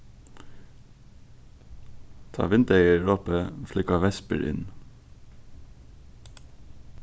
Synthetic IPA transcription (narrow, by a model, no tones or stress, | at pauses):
t̪ʰɑ̰ːʋɪnd̪eɪəɹoːpəflʏkɑʋɛspə̰ɾʔɪ̰n